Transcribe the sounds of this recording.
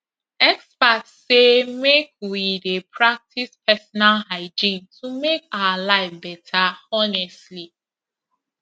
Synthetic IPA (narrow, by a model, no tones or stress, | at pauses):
ɛkspatsemek̚widepʰɹak̚tʰispɛsɔnalhaɪd͡ʒĩntumekaalaɪfbɛtʰaɔnɛstli